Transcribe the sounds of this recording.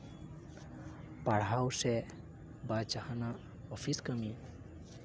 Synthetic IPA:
paɽɦawsɛ | bat͡ʃahəna | ɔfʰiskəmi

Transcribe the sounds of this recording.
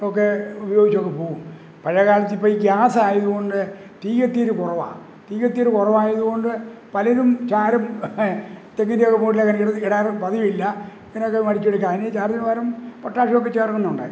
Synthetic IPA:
ok̬ːeubɐjo̞ːɡit͡ɕːokːe̞poːɣum | pɐɻɐkaːɭɐt̪ːipːoiɡjaːsaːjɐðuɣo̞ɳɖɨ | ʈiːɣɐt̪ːijoɾukurɐʋa̰ː | ʈiːɣɐt̪ːijoɾukurɐʋaːjɐðuɣo̞ɳɖɨpɐlɐɾumt͡ɕaːɾɐm | t̪ːeŋːɐndeokːepuːɽilekːɐnɽɐkiɽaːrpɐðijilːɐ | ŋɐneok̬ːemɐɽit͡ɕːeɽɐkːaːnet͡ɕaːɾɐinʋɐːɾɐmpoʈːaːʂiokːet͡ɕːeːrkːunːɐuɳɖa̰ːɾu

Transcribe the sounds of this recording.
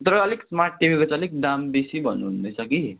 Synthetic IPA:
t̪əɾəːleksmaɾʈ̚ʈiʋʱiɡət͡sːlik̚ɖambisibənnd̪əsaki

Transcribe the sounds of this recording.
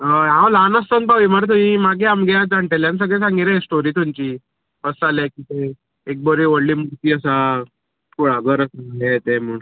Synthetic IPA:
əãwlanəst̪ənpaʋiməɾt̪umĩmaɡeamɡjad͡zaɳʈ̪eljãns̬əɡɭɛ̃s̬ãŋɡiɾesʈoɾiːt̪umt͡ɕiː | əsaljakiːt̪e | ek̚bəɾiʋəɽliːmuɾt̪iːəsa | kuɽaɡəɾəsaŋɡlet̪emuɳ

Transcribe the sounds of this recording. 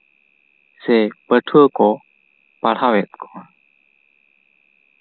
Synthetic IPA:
sɛpətʰukɔ | palawɛt̪̚kʰɔn

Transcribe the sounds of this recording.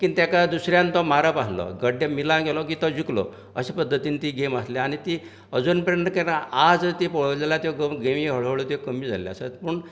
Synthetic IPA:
kit̪jakad̪usɾjãnt̪ɔmaɾapaɦlɔ̰ɡəɖːemilãɡɛlɔkit̪ɔd͡ʑiklɔ̰ | əɕepəd̪ʱːət̪iːnt̪iɡeməsleañit̪i | əd͡zunpəɾjənt̪əkaɾaad͡zt̪ipɔɭlelat̪oɡəɡemiɦəɭ̤əʋɭɔt̪ekəmiːd͡zʱa̰la̰sat̪pəɳ

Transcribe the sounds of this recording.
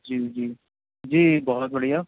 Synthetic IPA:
d͡ʒiːd͡ʒiː | d͡ʒiːbɔɦɔt̪̚bəɽija

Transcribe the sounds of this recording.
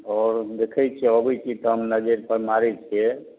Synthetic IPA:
ɔɾd̪ekʰɛt͡ʃʰɛɔbɛt͡ʃʰit̪ɔɦəmnəd͡ʒeɾpəɾmaɾɛt͡ʃʰiɛ

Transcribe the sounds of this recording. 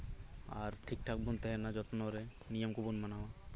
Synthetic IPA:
a̰ɾʈʰik̚ʈʰak̚bɔnt̪ɛɦɛnad͡ʒɔt̪nɔɾe | nijɔmkubunmanawa

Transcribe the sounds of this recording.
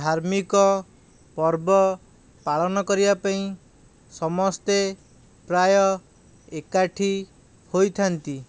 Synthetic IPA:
d̪ʱaɾmikɔ | pɔɾbɔ | paɭɔnɔkɔɾibapaĩ | sɔmɔst̪e | pɾajɔ | ekaʈʰi | hojt̪ʰant̪i

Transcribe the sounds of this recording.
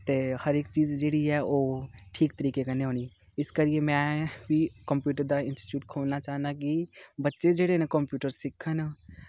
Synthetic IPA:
t̪ehəɾeːkt͡ʃiːd͡ʒd͡ʒeːɽiɦɛoʈʰiːkt̪əɾiːkekaneɦoni | ɪskəɾiemɛ̃bʱikəmpjuːʈəɾd̪aɪ̃nsʈi̥ʈjuːʈkʰoːlnat͡ʃaːɦnd̪akibətːʃed͡ʒeːɽenẽkəmpjuːʈəɾsɪkʰən

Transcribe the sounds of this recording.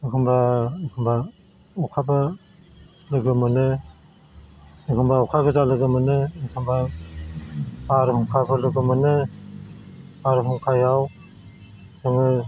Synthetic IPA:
ɯkʰɯmbakʰɯmba | ɔkʰaba | lɯɡɯmɯnɯ | ɯkʰɯmbaɔkʰaɡɯzalɯɡɯmɯnɯɯkʰɯmba | aɾhuŋkʰabɯlɯɡɯmɯnɯ | aɾɦuŋkʰajaw | sɯŋɯ

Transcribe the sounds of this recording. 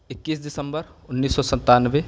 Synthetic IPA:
ɪkːiːsd̪ɪsə̃mbəɾʊnːiːsːɔsə̃nt̪anʋe

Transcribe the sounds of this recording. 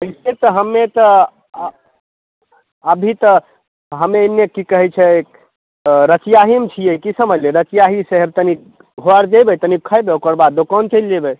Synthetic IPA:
əiset̪əɦəmːet̪ə | əbʱit̪ə | ɦəmenːekikəɦɛt͡ʃʰɛk | ɾət͡ʃijaɦimt͡ʃʰijekisəməd͡ʒleɾət͡ʃjaɦisəɦeb̚t̪ənik | ɦoəɾd͡ʒəjbət̪ənikʰːəjbeokəɾbad̪̚d̪okɔnt͡ʃəld͡ʒebə

